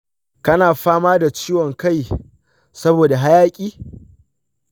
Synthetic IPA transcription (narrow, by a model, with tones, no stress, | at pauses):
kɐ˦naː˨ɸaː˦maː˦da˨t͡ʃiː˦wɔ˨ŋka˦˨j | sɐ˦boː˨da˨ɦa˦jaː˦kʲʼiː˦